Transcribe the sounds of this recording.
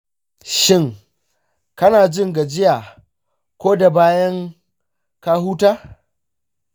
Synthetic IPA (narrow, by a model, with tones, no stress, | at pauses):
ʃɪ˦˨ŋ | kɐ˦naː˨d͡ʒɪ˦ŋɡa˨d͡ʒɪ˦jaː˨ | kʷoː˦da˨baː˦jɐ˦ŋ | ka˦ɦuː˦taː˦